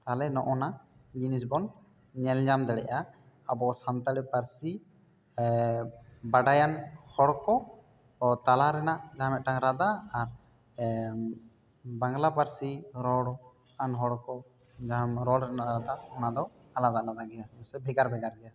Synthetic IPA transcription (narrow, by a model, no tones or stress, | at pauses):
t̪alɛnɔʔɔnad͡ʒinis̬bɔn | ɲɛlɲd͡ʒamd̪ɛɽɛ̰ʔa | abɔsant̪aɽipaɾsi | baɖajanhɔɽkɔ | t̪alaɾɛnaʔd͡ʒamɛʔ̚ʈaŋɾad̪aːɾ | baŋɡlapaɾsiɾɔɽ | anɦɔɽkɔ | d͡ʒamɾɔɽɾɛnaʔɾad̪aɔnad̪ɔ | alad̪aʔlad̪aɡɛjaɛsɛbʱɛɡaɾbʱɛɡaɾɡɛja